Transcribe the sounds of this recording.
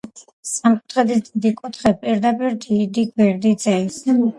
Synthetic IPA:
sʼamkʼu̥t̪ʰχɛd̪isd̪̥id̪ikʼut̪ʰχɛpʼiɾd̪apʼiɾd̪id̪iɡwɛɾd̪id̪z̥ɛis

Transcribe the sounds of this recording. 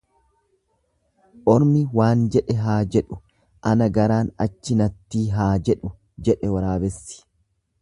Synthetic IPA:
ʔɔɾmɪwaːnd͡ʒɛᶑɛɦaːd͡ʒɛᶑʊ | ʔɐnɐɡɐɾaːnɐ̰t͡ʃːɪnɐt̪ːiːɦaːd͡ʒɛᶑʊ | d͡ʒɛᶑɛwɐɾaːbɛsːɪ̥

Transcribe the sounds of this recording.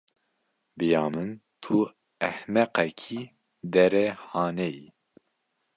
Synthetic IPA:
bɨjɑːmɨnt̪ʰu | ɛhmɛqɛkʰi | d̪ɛɾɛhɑːnɛji

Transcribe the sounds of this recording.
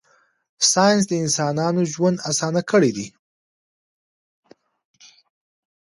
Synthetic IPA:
sɑjɪns̬d̪əɪnsɑnɑnoʒwand̪asɑnakəɽid̪i

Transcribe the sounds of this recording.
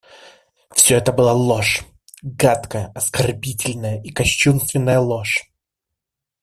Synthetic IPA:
fsʲɵɛt̪əbɨlˠalˠoʂ | ɡat̪kəjəɐskɐrbʲitʲɪlʲnəjəʔikɐɕːunst̪vʲɪnːəjəlˠoʂ

